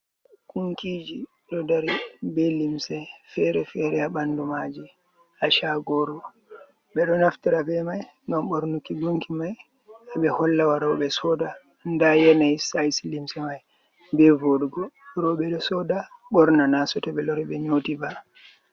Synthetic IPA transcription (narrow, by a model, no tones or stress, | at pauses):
kuŋkid͡ʒi | ɗɔdaɾibɛlimsɛfɛɾɛfɛɾɛaɓandumad͡ʒi | aʃaɡɔɾɔ | ɓɛɗɔnaftiɾabɛmaj | ŋɡamɓɔɾnukːiɡuŋkimaj | aɓɛhɔlːawaɾɔwɓɛsɔda | ndajɛnajsajsilimsɛmaj | bɛvoɗuɡɔɾɔɓɛɗɔsɔdaɓɔɾnanasɔtɛɓɛlɔɾɛɓɛɲotiba